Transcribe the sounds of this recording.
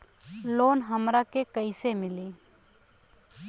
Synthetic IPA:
loːnɦəmɾakekəɪsemɪliː

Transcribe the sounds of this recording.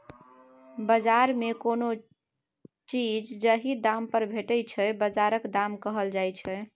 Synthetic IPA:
bəd͡ʒaɾmekono | t͡ʃid͡ʒd͡ʒəɦid̪ampəɾbʱeʈət͡ʃʰɛbəd͡ʒaɾəkd̪amkəɦəld͡ʒajt͡ʃʰɛ

